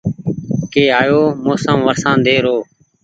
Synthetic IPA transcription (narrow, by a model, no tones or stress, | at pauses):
keːaːjoːmoːsəmʋəɾsãːnd̪eːɾoː